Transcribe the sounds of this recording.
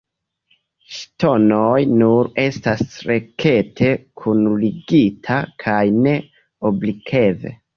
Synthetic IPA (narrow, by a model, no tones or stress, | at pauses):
ʃto̞nojnuɾe̞stasɾe̞ke̞tʰe̞kʰunuliɡitʰakʰajne̞ | oblikʰe̞ve̞̰